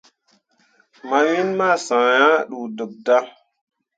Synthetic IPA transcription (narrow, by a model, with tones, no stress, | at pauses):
ma˨wi˦nma˦˨sã˨ja˦ɗu˨də˨k̚da˦